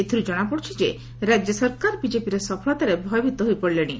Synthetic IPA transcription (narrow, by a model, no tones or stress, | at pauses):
et̪ʰuɾid͡ʒɔɽ̃apɔɽt͡ʃʰid͡ʒe | ɾad͡ʒjɔsɔɾkaɾbid͡ʒepiɾesɔpʰɔɭɔt̪aɾebʱɔjɔbʱit̪ɔɦojpɔɽileɽ̃i